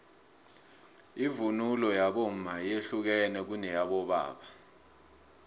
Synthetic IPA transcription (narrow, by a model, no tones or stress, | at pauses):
ivunulɔjaɓom̩majeɬuk̬ɛnɛk̬unɛjaɓɔɓa̰ːɓa